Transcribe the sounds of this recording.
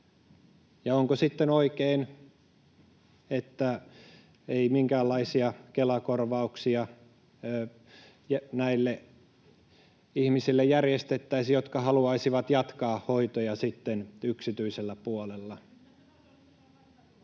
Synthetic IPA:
jɑoŋkosit̪ːenoikein | et̪ːæ | eimiŋkæːlːɑisiɑkelɑkorʋɑuksiɑ | øː | jnæilːe | ihmisilːejærjest̪et̪ːæisijot̪kɑhɑluɑisiʋɑt̪jɑt̪kɑːhhoit̪ojɑsit̪ːenyksit̪yiselːæpuolelːɑ

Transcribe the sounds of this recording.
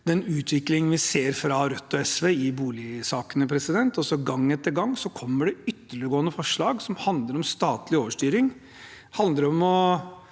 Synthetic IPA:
d̪ɛnʉːt̪ʰʋɪklɪŋənʋɪseːɾfɾɑɾœt̪ːɔɛsʋeːɪbuːlɪsɑːkənəpʰɾɛsɪd̪ɛnt̪ɔsɔɡɑŋːɛt̪ːəɾɡɑŋːsɔkʰɔmːəɖɛʏt̪ːəɭəɡoːənəfɔʂɭɑːɡsɔmhɑnd̪ləɾɔmst̪ɑːt̪lɪoːʋəʂʈyːɾɪŋ | hɑnd̪əɾɔmɔ

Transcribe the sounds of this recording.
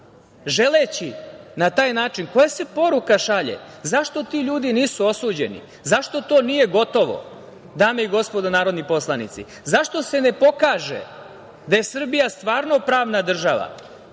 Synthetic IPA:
ʒe̞let͡ɕinat̪aːjnaːt͡ʃinko̞jase̞po̞ɾukaʃaʎḛzaʃt̪o̞t̪iːʎuːd̪iniːsuo̞suːd͡ʑḛnḭ | zaʃt̪o̞t̪o̞ːnije̞ɡo̞t̪o̞ʋo̰ | d̪aːmeiɡo̞spo̞d̪anaːɾo̞d̪nipo̞slˠanḭt̪sḭ | zaʃt̪o̞se̞ne̞po̞kaːʒḛ | d̪aje̞sr̩bijast̪ʋaːɾno̞pɾaːʋnad̪r̩ʒaʋa̰

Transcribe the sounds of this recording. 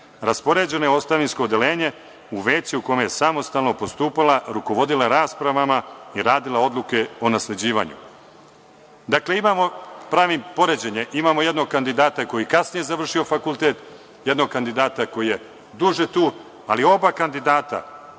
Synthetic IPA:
ɾaspo̞ɾe̞d͡ʑe̞no̞jeo̞st̪aʋinsko̞ːd̪e̞le̞ːɲe̞ | uʋeːt͡ɕiukomejesamo̞st̪alno̞po̞st̪uːpalaɾuko̞ʋo̞d̪ilˠaɾaːspɾaʋamaiɾaːd̪ilao̞d̪lˠuke̞o̞nasle̞d͡ʑiːʋa̰ːɲṵ | d̪akle̞imamo̞pɾaːʋimpo̞ɾed͡ʑe̞ɲe̞ʔimaːmo̞je̞d̪no̞ɡ̚kand̪id̪aːt̪ako̞jikasnije̞zaʋr̩ʃio̞fakulˠt̪e̞t̪ | je̞d̪noɡ̚kand̪id̪aːt̪ako̞jije̞ | d̪uʒe̞t̪uː | alio̞bakand̪id̪aːt̪a̰

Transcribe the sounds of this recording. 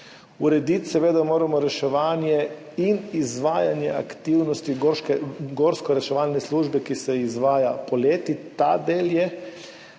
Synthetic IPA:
uɾɛd̪it̪sɛʋeːd̪amoːɾamɔɾɛʃɛʋaːnjɛ | inizʋaːjanjɛ̰a̰kt̪iwnɔst̪i | ɡoɾskɔɾɛʃɛʋaːlnɛsluːʒbɛkisɛizʋaːjapoleːt̪it̪ad̪eːljɛ

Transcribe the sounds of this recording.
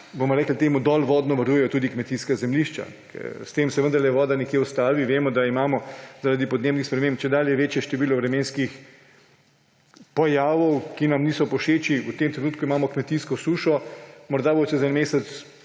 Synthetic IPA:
bomɔɾɛːkl̩t̪eːmud̪ɔːlʋɔːd̪nɔʋaɾuːjɛjɔt̪uːd̪ikmɛt̪iskazɛmliːʃt͡ʃa̰ | kʰɛ̰ɾst̪eːmsɛʋənd̪ɐɾlɛʋɔːd̪anɛkjeust̪aːʋiʋeːmɔd̪aimaːmɔzaɾad̪ipɔd̪neːbnixspɾɛmẽːmp̚t͡ʃɛd̪aːljɛʋeːt͡ʃjɛʃt̪ɛʋiːlɔʋɾɛmeːnskix | pɔjaːʋɔwkinamniːsɔpɔʃeːt͡ʃiwt̪eːmt̪ɾenuːt̪̚kuimaːmɔkmɛt̪iːskɔsuːʃɔmɔɾd̪abot͡ʃ̪ɛzaɛnmeːsɛt̪s

